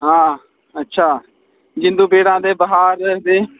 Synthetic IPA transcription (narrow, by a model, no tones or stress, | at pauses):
ɦãː | ətːʃʰaː | d͡ʒɪ̃nd̪uːbeːɽãːd̪eːbəɦaːɾd̪eː